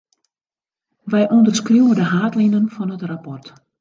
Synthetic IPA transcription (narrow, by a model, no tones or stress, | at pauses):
ʋɛjʔondərskruwədəɦaːtlinənfɔnətrapɔrt